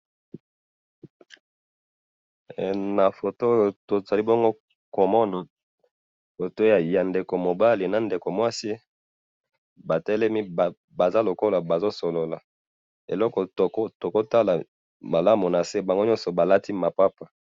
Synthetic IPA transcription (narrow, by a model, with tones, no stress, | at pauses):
na˨fo˨to˦jo˨to˨za˨li˦bo˦ŋɡo˦ | ko˨mɔ˦na˨ | fo˨to˦ja˨ja˨nde˨ko˨mo˨ba˦li˨na˨nde˨ko˨mwa˦si˦ | ba˨tɛ˦lɛ˦mi˦ba˨ | ba˨za˦lo˨ko˦la˨ba˨zo˦so˨lo˨la˨ | ḛ˨lɔ˦kɔ˨to˨ko˦to˨ko˦ta˦la˨ | ma˨la˦mu˨na˨se˦ba˨ŋɡo˦ɲɔ˦sɔ˨ba˨la˦ti˦ma˨pa˦pa˨